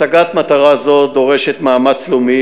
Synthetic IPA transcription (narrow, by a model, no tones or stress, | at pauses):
aɡat̪mat̪aʁazo̞d̪o̞ʁeʃet̪maːmat͡slumi